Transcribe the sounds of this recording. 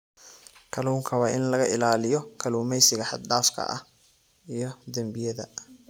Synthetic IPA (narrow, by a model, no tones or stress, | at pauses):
kʰɐluːŋkʰɐwɑːʔɪnlɐɣɐʔɪlaːlɪjɔkʰɐluːmɛjsɪɣɐħɑ̰d̪ɖaːfkʰɐ̰ʔɐ̰h | ijɞd̪ɐmbɪjɐðɐ